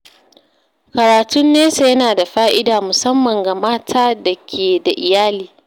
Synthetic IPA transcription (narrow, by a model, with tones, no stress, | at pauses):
kɐ˨ɾaː˨tʊ˦nːeː˦sa˦jɐ˦naː˨da˨ɸaː˦ʔɪ˦daː˨mʊ˨sɐ˦mːɐ˨ŋɡa˨maː˦tʰaː˦dɐ˨kʲʰeː˨da˨ʔɪ˨jaː˦liː˦